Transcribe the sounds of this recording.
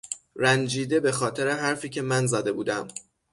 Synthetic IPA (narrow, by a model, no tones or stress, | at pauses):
ɾænd͡ʒiːd̪e̞be̞xɒːt̪ʰe̞ɾe̞ɦæɾfiːcʰe̞mænzæd̪e̞buːd̪æm